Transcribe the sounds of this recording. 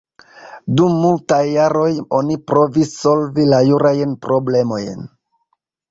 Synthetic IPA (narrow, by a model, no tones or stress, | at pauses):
dumːultajːaɾo̞jo̞nipɾo̞visːo̞lvilajuɾajnpɾʔo̞ble̞mo̞jn